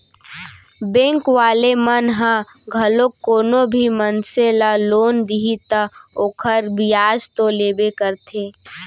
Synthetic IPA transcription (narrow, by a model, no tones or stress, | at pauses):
bẽːŋkʋaːlemənɦə̃ | ɡʱɐlokoːnõbʱimənselaloːnd̪iɦit̪əoːkʰəɾbijaːd͡ʒt̪oleːbekəɾt̪ʰeː